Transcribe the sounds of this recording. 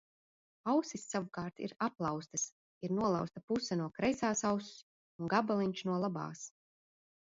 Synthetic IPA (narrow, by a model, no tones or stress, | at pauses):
awsisːavukaːɾt̪ḭɾaplˠawst̪ɨs | iɾnuɔlˠa̰wst̪apusɛnuɔkɾɛjsaːsawsː | uŋɡabalˠiɲʲt͡ʃnuɔlˠaba̰ːs